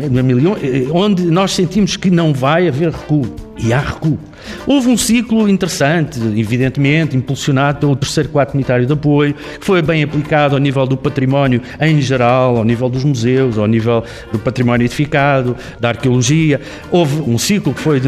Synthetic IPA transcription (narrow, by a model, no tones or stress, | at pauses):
ɐmilˠiõõnd̪ɨnɔʃsẽnt̪imuʃkɨnɐ̃w̃vajɐveɾʁɨku | iaʁɨku | ovũsiklˠuĩnt̪ɨɾɨsɐ̃nt̪iviðẽnt̪mẽnt̪ĩmpulˠsjunaðupelˠut̪ɨɾsejɾkwaɾt̪ɾunit̪aɾjuðɐpoju | kɨ̥fojβɐ̃j̃ɐplˠikaðuanivɛlˠd̪upɐt̪ɾimɔnju | ẽj̃ʒɨɾalˠawnivɛlˠd̪uʒmuzewuzanivɛlˠ | d̪upɐt̪ɾimɔnjuiðifikaðu | d̪aɾkjulˠuʒiɐ | ovũsiklˠukfoj